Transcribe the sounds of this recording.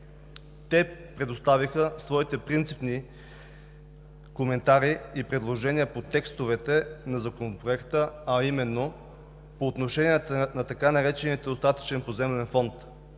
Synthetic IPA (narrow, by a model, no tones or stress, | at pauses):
t̪ɛpɾɛd̪ost̪avixəsvɔit̪ɛpɾint̪sipni | komɛnt̪aɾiipɾɛd̪lˠoʒɛniəpot̪ɛkst̪ovɛt̪ɛnɐzɐkonopɾoɛkt̪əɐimɛnːo | poːt̪noʃɛniɛt̪nɐt̪ɐkanɐɾɛt͡ʃɛnit̪od̪ost̪at̪ə̥t͡ʃɛnpozɛmlɛnfɔnt̪